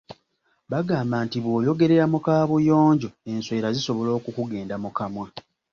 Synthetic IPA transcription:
βaɡaːmbaːntiβwo̞ːjo̞ɡe̞ɾe̞ɾamukaːβujo̞ːɲɟo̞e̞nsweːɾaziso̞βo̞lo̞ːkukuɡe̞ːndamukamwa

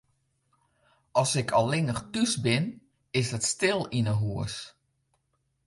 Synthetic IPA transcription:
ɔsɪkʰɔlˠɪŋəxtysbɪn | ɪsdətstɪlˠinəɦuəs

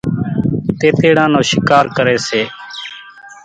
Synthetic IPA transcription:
t̪eːt̪eːɽãːnõːʃɪkaːɾkəɾeːseː

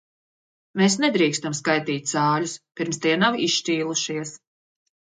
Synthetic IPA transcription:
meːsnɛd̪ɾiːkst̪amskajt̪iːt̪̚ʲz̥aːluspiɾmst̪iɛnawiʃʃt͡ʃiːlˠuʃiɛs

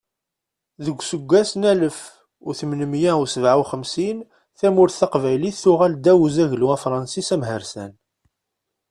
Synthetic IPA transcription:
ðəɡʷːsəɡʷːæsnæləf | ʊɾθəmnəmjæʊsəvʕawχəmsin | θæmʊɾθθɑqvæjliθːʊʁæld̪æwzæʝlæfɾˤɑnsisæmɦəɾsæ̰n

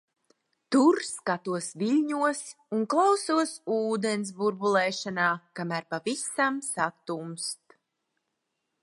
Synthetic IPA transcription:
t̪uɾskat̪uɔsvilʲɲuɔs | unklˠawsuɔsuːd̪ɛns̬buɾbulˠɛːʃanaːkamæːɾpavisamsat̪umst̪

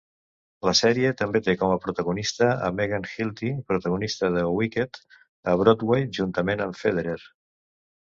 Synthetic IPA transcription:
ləsɛɾiət̪əmbet̪ekɔməpɾut̪əɣunist̪əə̰meɣanxilˠt̪ipɾut̪əɣunist̪əðəwiket̪ | əβɾod̪wejʒunt̪əmenəɱfeðeɾeɾ

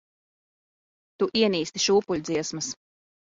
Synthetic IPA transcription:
t̪uʔiɛniːst̪i̥ʃuːpuʎʲd̪ziɛsmɐs

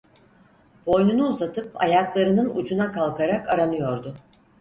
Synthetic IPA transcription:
b̥o̞jnunuuzat̪ʰɯp̚a̰jaklˠaɾɯnɯnṵd͡ʒunakalˠkaɾakaɾanɯjo̞ɾd̪ʊ

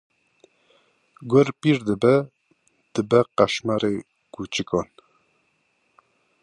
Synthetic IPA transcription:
ɡoɾpiɾd̪əbɛ | d̪̥ɨbɛqæʃmæɾe | kut͡ʃɨkɔn

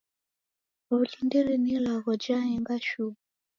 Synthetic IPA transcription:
βuɬundiɾinilaɣɔd͡ʒaɛŋɡaʃuɣu

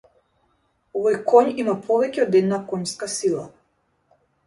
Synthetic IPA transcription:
ɔvɔjkɔɲimapʰɔvɛcɛɔd̪ɛd̪nakɔɲskasilˠa

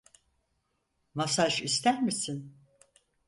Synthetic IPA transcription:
masaʃist̪æɾmisin

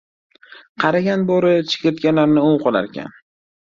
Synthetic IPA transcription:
qʰɑɾaɡʲanboɾɪt͡ʃʰɪ̥kʲɾɪt̪̚ɡʲanlaɾnɪʊwqʰɒlˠa̰ɾkʲʰa̰n

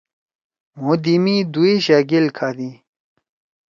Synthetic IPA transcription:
mud̪imid̪uiɕaɡilkʰaːd̪i

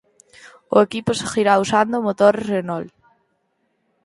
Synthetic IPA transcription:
oekiposexiɾausand̪omot̪oɾerenɔl

